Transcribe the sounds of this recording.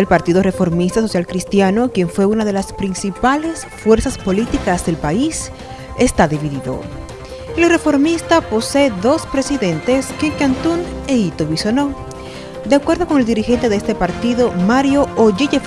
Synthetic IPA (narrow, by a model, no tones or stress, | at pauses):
elpaɾt̪iðore̞fo̞ɾmist̪aso̞sjalkɾist̪jano̞kje̞ɱfwe̞unaðe̞laspɾinsipale̞s | fwe̞ɾsaspo̞lit̪ikazðe̞lpais | e̞st̪aðiβiðiðo̞̰ | elre̞fo̞ɾmist̪apo̞se̞ːðo̞spɾe̞siðe̞nt̪e̞skekant̪uneit̪oβisono | d̪eakwe̞ɾðo̞ko̞ŋe̞ld̪iɾixe̞nt̪e̞ðest̪e̞paɾt̪iðo̞maɾjo̞oʝiʝef